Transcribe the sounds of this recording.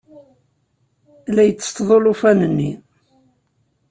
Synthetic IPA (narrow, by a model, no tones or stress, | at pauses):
læjət͡sːə̥t̪ːðˤolufænənːi